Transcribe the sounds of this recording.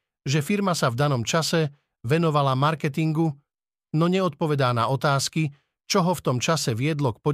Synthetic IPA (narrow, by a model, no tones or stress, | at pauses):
ʒɛfiɾmasavd̪anɔmt͡ʃasɛ | ʋɛnɔʋalamaɾkɛt̪iŋɡu | nɔɲɛɔt̪̚pɔʋɛd̪aːna̰ɔt̪aːski | t͡ʃɔɦɔft̪ɔmt͡ʃasɛʋɪɛd̪lɔk̚pɔ